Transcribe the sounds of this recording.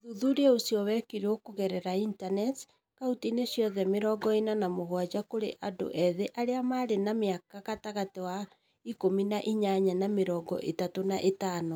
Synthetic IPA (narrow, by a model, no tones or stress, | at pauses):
ðuðuɾosiɔwɛkiɾeokoɣɛɾɛɾaintanɛt | kautinesjɔðɛmeɾɔːɡɔinanamoɣwad͡ʑakoɾḛʔado̰ʔɛðeʔaɾeamaɾenameakakataɣatewa | ikominaʔiɲaɲanameɾɔːɡɔ̰ʔetatonaʔetano